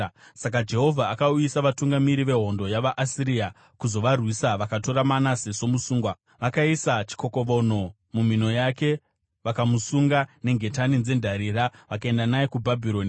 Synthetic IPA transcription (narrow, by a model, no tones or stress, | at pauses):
sak̬ad͡ʒe̞ɦo̞vʱaːkauisaʋatuŋɡamiɾiʋe̞ɦo̞ndo̞jaʋaʔasiɾia | kuzo̞ʋarwisaʋakato̞ɾamanase̞so̞musuːŋɡwa | ʋakaisat͡ʃi̥ko̞ko̞ʋo̞no̞ | mum̤ino̞jake̞ | ʋakamusuŋɡane̞ŋɡʱe̞tanind͡ze̞ndʱaɾiːɾaʋakae̞ndanajekubʱabʱiɾo̞ːni